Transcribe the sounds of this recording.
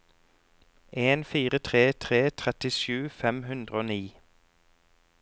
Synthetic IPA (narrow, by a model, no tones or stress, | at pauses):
ʔeːnfiːʁət̪ʰʁeːt̪ʰʁeːt̪ʰʁɛt̪ɪʃʉːfɛmhʉnd̪ʁəoːniː